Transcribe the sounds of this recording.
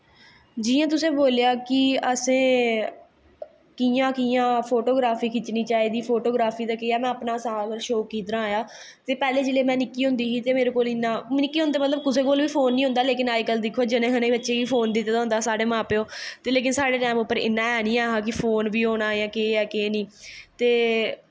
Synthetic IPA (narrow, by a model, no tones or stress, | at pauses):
d͡ʒiːãːt̪ʊsẽːboːlejaːkɪəsẽː | kijãːkijãːpʰoːʈoːɡɾaːfiːkɪt͡ʃniːt͡ʃaːiːd̪iːpʰoːʈoːɡɾaːpʰiːd̪aːkeaːmɛ̃ːəpnaːsãːɾʃoːkːiːt̪əɾãːjaː | t̪eːpɛːleːd͡ʒeleːmɛ̃ːnɪkːiːɦʊ̃nd̪iːɦiːt̪eːmeːɾeːkoːlɪnːãːnɪkːiːɦʊ̃nd̪eːmət̪ləb̚kʊseːkoːlʋiːpʰoːnːĩːɦʊ̃nd̪aːleːkɪnaːjkəld̪ɪkʰːoːd͡ʒɪnẽːkənẽːbətːʃeːiːpʰoːnd̪ɪt̪ːeːt̪aɦʊ̃nd̪aːsaːɖeːmãːpeːoːt̪eːleːk̬ɪnsaːɽeːʈɛːmʊpːəɾɪ̰nːãːɛːnĩːaːɦaːk̬ɪpʰoːnbiːoːɽaːjãːkeːɛːkeːnĩːt̪eː